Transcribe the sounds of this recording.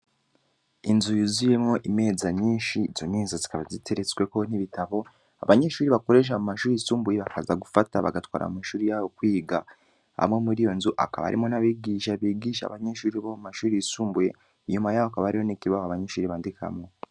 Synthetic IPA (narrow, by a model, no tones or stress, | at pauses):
inzujizuje̞mŋo̞ʔime̞zaɲiːnʃiz̥oniːnzazi̥kaβazitʰe̞ɾet͡swe̞ko̞niβitaβo̞ | a̰βaɲeʃuːɾiβako̞ɾe̞ʃ̬amumaʃuːɾijisuːmbuje̞βaka̰zaɡufataβa̰ɡatwa̰ːɾa̰umiʃuːɾijaβo̞kwiːɡa | a̰mŋe̞muɾijo̞nzuʔa̰ka̰βa̰ɾḭmo̞naβiːɡiːʃaβiːɡiːʃa̰βaɲeʃuːɾiβomumaʃuːɾijisuːmbuje̞̰ | iɲumajaːwoakaβaaɾiho̞nikiβaβoaβaɲeʃuːɾiβaːndikʰa̰mo